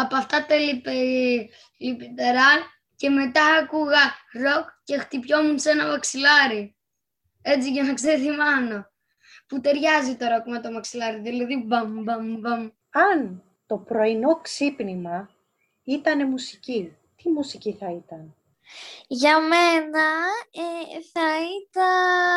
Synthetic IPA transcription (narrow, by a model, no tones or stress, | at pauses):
ɐpoɐft̪ɐt̪elipe | lipit̪eɾɐ | ce̞me̞t̪ɐːkuɣɐɾo̞kce̞xt̪ipço̞munse̞nɐvɐksilɐɾi | e̞t͡siʝɐnɐkseθimɐno̞ | put̪e̞ɾʝɐzit̪o̞ɾo̞kme̞t̪o̞vɐksilɐɾiðilɐðibɐmbɐmbɐm | ɐn | t̪o̞pɾo̞ino̞ksipnimɐ | it̪ɐne̞musici | t̪imusiciθɐit̪ɐn | ʝɐmenɐeθɐit̪ɐ